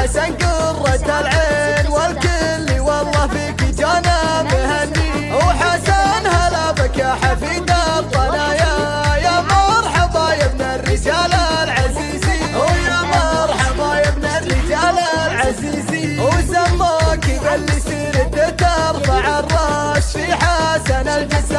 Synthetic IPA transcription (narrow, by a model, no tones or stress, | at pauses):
aʃanɡʊrˤːɑt̪alʕenwalkɪlːiwɑlˤːɑːfikid͡ʒanamahanːi | wħasanhalabakaħafid̪aɾfˤanaːja | jamɑɾˤħɑbˤɑjabnarːɪd͡ʒaːlalʕaziːzijamɑɾˤħɑbˤɑjabnarːɪd͡ʒaːlalʕaziːziwzamːɑkibalːisiːɾɪt̪ɪt̪ɑɾˤfaʕarˤːɑ | ʃfiħasanald͡ʒɪsa